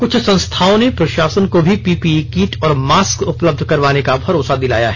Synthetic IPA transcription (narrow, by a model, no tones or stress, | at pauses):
kʊt͡ʃʰsɐ̃nst̪ʰaːõnepɾɐʃaːsənkobʱipiːpikiːʈɔːɾmaːskʊpləb̚d̪ʱkɐɾʋaːnekabʱɐɾoːsad̪ɪla̰ːja̰ɦɛ